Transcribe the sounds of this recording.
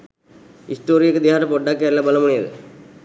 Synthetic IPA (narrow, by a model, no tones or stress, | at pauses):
ɪsʈoːɾɪjɐkːɯd̪iaːɾɐpɔɖːaːkːeːɾlɐbɐlɐmʊɳɪjɐðɯ̰